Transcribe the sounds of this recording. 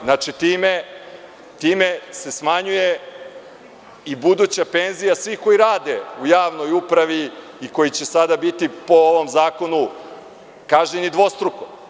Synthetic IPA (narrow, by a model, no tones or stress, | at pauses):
znat͡ʃit̪iːme | t̪iːme̞se̞smaɲuje̞ | ibud̪uːt͡ɕape̞ːnzijasʋihko̞jiɾaːd̪e̞ujaːʋno̞jupɾaʋi | ikojit͡ɕe̞sad̪abit̪ipo̞oʋo̞mzaːko̞nu | kaːʒenid̪ʋo̞st̪ɾuko